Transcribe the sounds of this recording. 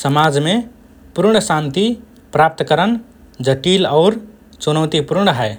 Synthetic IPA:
səmaːd͡ʒmẽ | puɾɳ̃əsãnt̪i | pɾap̚t̪kəɾən | d͡ʒəʈiːlɔːɾ | t͡ʃunəʊt̪ipuɾɳ̃əɦɛː

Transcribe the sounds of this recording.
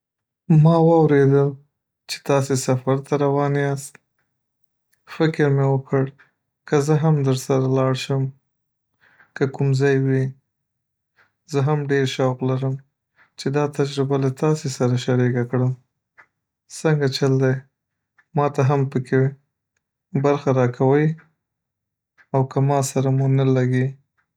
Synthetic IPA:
mɑwɑwɾed̪əl | t͡ʃe̥t̪ɑsesafaɾt̪aɾawɑneɑst̪̚ | fɪkɪɾmewəkʰəɽ | kəzəɦamd̪əɾsaɾalɑɽʃəm | kəkumzɑjwi | zəɦamɖeɾʃawqlaɾəm | t͡ʃed̪ɑt̪ad͡ʒɾɪbalat̪ɑsesaɾaʃaɾeɡakɽəm | səŋɡat͡ʃald̪ej | mɑt̪aɦampəkʰe | baɾxaɾɑkʰawəj | awkamɑsaɾamunalaɡe

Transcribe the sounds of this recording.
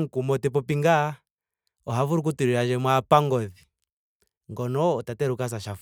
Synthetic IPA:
ŋ̩kumɔtɛp̬ɔpiŋɡa | ɔɦavuɾuk̬utuɾiɾad͡ʒɛmwapaŋɡɔði | ŋɡɔnɔːtatɛɾukas̬aʃaf

